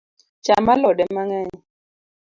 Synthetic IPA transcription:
t͡ʃamalɔɗɛmaŋɛɲ

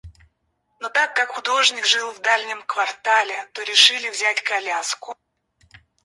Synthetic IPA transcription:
not̪akːakxʊd̪o̞ʐnʲɪkʐɨlˠvd̪alʲnʲɪmkvɐrt̪alʲɪt̪oɾʲɪʂɨlʲɪvzʲætʲkɐlʲaskʊ

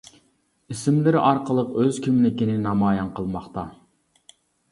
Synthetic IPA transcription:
isɪmlɪɾɪʔɑɾqəlˠəqøzkʲʰimɪnɪkʲinɪnɑmɑːjɑnqʰəlˠmɑχt̪ɑ

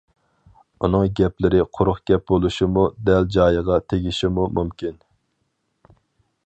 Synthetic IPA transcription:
unɨŋɡʲɛplɪɾɪqʰʊɾʊχɡʲɛp̚bolˠuʃimud̪ɛld͡ʒɑːjəʁɑt̪ʰeɡʲiʃimumumkʲin

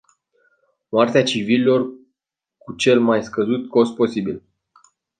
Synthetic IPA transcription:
moart̪eat͡ʃivililo̞r | kut͡ʃe̞lmajskəzut̪ko̞st̪̚po̞sibil

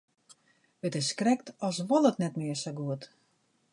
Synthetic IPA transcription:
ətɪskrɛk̚tɔsʋɔlətnɛtmɪərsoɡuət

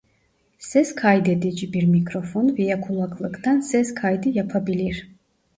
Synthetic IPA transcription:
sɛskʰajd̪ɛd̪ɛd͡ʒibiɾmikʰɾɔfɔnvijakʰulˠakʰʼlˠəkʰʼd̪ansɛskʰajd̪ijapʰabiliɾ

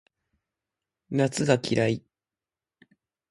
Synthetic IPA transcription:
nat͡sɨɡakʲʰiɾai

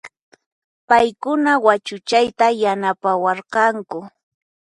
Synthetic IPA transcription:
pajkʊnawat͡ʃʊt͡ʃajt̪ajanapawɑɾqɑŋkʊ

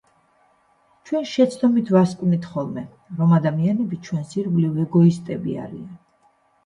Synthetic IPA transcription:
t͡ʃʰwɛnʃɛt̪sʰd̪ɔmit̪ʰvaskʼnit̪ʰχɔlˠmɛ | ɾɔmad̪amianɛbit͡ʃʰwɛnsiɾvlivɛɡɔist̪ʼɛbḭa̰ɾian

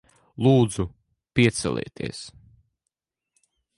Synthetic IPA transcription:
lˠuːd̪zu | piɛt̪sɛ̰lʲˠɛ̰ːt̪ḭɛs

